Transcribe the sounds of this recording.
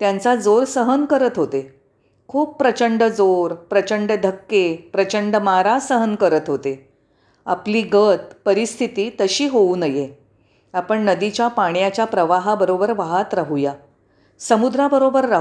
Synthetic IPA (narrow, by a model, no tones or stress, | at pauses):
t̪jãnt͡sad͡zoɾsəɦənkəɾət̪ɦot̪e | kʰuːpːɾət͡ɕəɳɖəd͡zoɾpɾət͡ɕəɳɖəd̪ʱəkːepɾət͡ɕəɳɖəmaɾasəɦənkəɾət̪ɦot̪e | a̰pliːɡət̪pəɾist̪ʰit̪iːt̪əɕiːɦouːnəje | apəɳnəd̪it͡ɕjapaɽ̃jat͡ɕjapɾəʋaɦabəɾobəɾʋaɦat̪ɾaɦuja | səmud̪ɾabəɾobəɾːaɦ